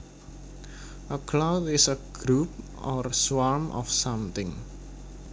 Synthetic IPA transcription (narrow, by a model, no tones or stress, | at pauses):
ʔəkʰlawt̪ɪsəɡ̥ɾup̚ | ɔrswaɹmʔɔ̰fsãmt̪ɪ̃ŋ